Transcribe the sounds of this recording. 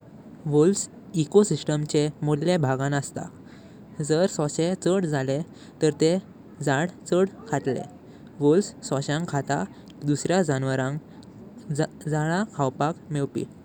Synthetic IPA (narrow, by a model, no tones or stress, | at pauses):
ʋols | ikosisʈəmt͡ɕemoɽljebʱaɡãnəst̪a̰ | d͡zəɾsɔ̃ɕẽt͡səɽd͡zʱale | t̪əɾt̪e | d͡zaɽt͡səɽkʰat̪lḛ | ʋolssɔɕãŋkʰat̪a̰ | d̪usɾjad͡zanʋəɾãŋk | d͡zaɭakʰawpakmewpḭ